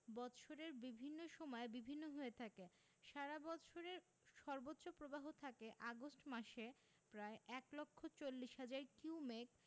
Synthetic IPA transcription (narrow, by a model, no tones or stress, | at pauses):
bɔt̪ʃʰoɾeɾbibʱinːoʃɔmɔebibʱinːoɦoet̪ʰake | ʃaɾabɔt̪ʃʰoɾeɾ | ʃɔɾbotːɕopɾobaɦot̪ʰakeʔaɡosʈmaʃe | pɾaeʔɛklokʰːot͡ɕolːiʃɦad͡ʑaɾkumek